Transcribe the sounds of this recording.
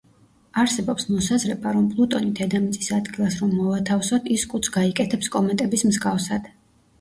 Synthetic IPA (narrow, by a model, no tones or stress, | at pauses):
aɾsɛbɔpsmɔsazɾɛbaɾɔmpʼlˠut̪ʼɔnit̪ʰɛd̪amit̪sʼisad̪ɡilˠasɾɔmːɔvat̪ʰafsɔt̪ʰiskʼut̪sʰɡaikʼɛt̪ʰɛpskʼɔmɛnt̪ʼɛbismzɡafsad̪̥